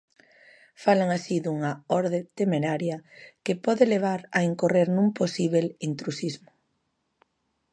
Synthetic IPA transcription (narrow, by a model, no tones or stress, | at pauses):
falaŋasiðuŋɐɔɾðet̪emeɾaɾjɐkepɔðeleβ̞aɾɐ̰eŋkoreɾnũŋposiβelint̪ɾusizmʊ̥